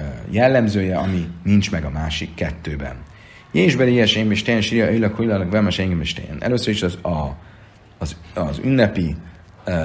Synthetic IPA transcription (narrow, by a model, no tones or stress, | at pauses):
jɛlːɛmzøːjɛɒminint͡ʃmɛɡɒmaːʃikːɛt̪ːøːbɛ̰n | jeːʒbɛlijɛʃemiʃt̪ejɛnʃiɾijɒøjlɒkhujlɒlkvɛlmaʃɛŋɡimiʃt̪ḛjɛ̰nʔɛ̰løsːøɾiʃɒzɒ | zzy̰nːɛpi